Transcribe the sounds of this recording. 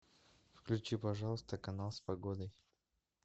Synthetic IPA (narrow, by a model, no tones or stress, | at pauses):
fklʲʉt͡ɕipɐʐɑlˠəst̪əkɐnalˠspɐɡod̪əj